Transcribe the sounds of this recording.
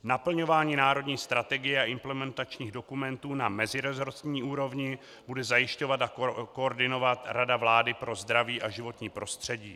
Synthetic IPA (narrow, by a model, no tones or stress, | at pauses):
napl̩ɲo̞vaːɲiːnaːɾo̞dɲiːst̪ɾat̪ɛɡɪjɛaʔɪmplɛmɛnt̪at͡ʃɲiːɣdo̞kumɛnt̪uːnamɛzɪɾɛzoɾsɲiːʔuːɾo̞vɲɪ | budɛzajɪʃco̞vat̪akooɾdɪno̞vat̪ɾadavlaːdɪpɾo̞zd̪ɾaviːʔaʒɪvo̞t̪ɲiːpɾo̞st̪r̝̥ɛɟiː